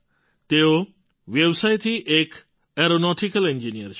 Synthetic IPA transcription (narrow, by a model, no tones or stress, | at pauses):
t̪eo | ʋjəwsajt̪ʰiʔek | eɾonɔʈʰikɐlẽnd͡ʒinijəɾt͡ʃʰ